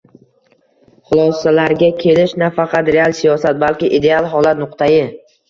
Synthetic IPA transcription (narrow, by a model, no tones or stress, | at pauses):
χʊlˠɒsalaɾɡʲakʲʰe̞lɪʃnafɑqʰɑt̪ɾe̞alˠsijɒsat̪̚balkʲɪʔid̪e̞alˠɦɒlˠat̪nʊqt̪ʰajɪ